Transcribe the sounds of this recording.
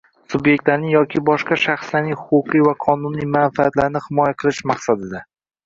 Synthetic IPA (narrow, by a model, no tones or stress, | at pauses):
sʊbje̞k̚ʲt̪laɾnɪŋjɒkʲʰɪbɒʃqɑʃaχslaɾnɪŋhʊqʊqɨjvaqʰɒnʊnijmanfaat̪laɾnɪhɪmɒjaqʰɨlˠɪʃmaqsad̪ɪd̪a